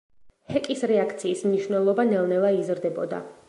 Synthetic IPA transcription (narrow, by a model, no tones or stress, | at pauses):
hɛkʼisɾɛakʰt̪sʰiːsmniʃwnɛlˠɔbanɛlˠnɛlˠaizɾd̪ɛbɔd̪a̰